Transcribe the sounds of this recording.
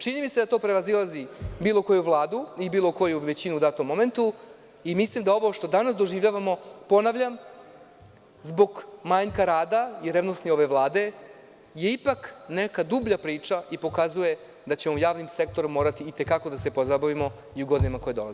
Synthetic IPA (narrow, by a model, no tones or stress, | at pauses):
t͡ʃinimised̪at̪o̞ːpɾeʋazilˠazibiːlˠo̞ko̞juʋlˠaːd̪uibiːlˠo̞ko̞juʋe̞t͡ɕinuːd̪aːt̪omːo̞me̞nt̪u | imislimd̪ao̞ʋo̞ʃt̪o̞d̪anasd̪o̞ʒiːʋʎaːʋamo̞po̞naʋʎam | zbo̞ɡmajɲkaɾaːd̪aiɾevnosnio̞ʋe̞ʋlˠaːd̪e̞ | je̞ipaknekad̪ubʎapɾiːt͡ʂaʔipo̞kazuje̞ | d̪at͡ɕe̞moujaːʋnimsek̚t̪o̞ɾumo̞ːɾat̪iːt̪e̞kako̞d̪ase̞po̞zabaʋimo̞ | iuɡo̞d̪inamako̞jed̪o̞la̰ze